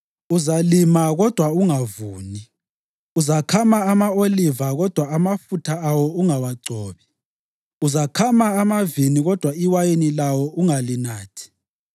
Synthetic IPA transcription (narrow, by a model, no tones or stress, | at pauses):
uzalimaɣɔd̥ʱwauŋavuːni | uzakʰamaːmaolivaɣɔd̥ʱwaːmafutʰaawɔuŋawaɡ͡ǀʱɔːβi | uzakʰamaːmaviniɣɔd̥ʱwaiwajinilawɔʔuŋalinaːtʰi̥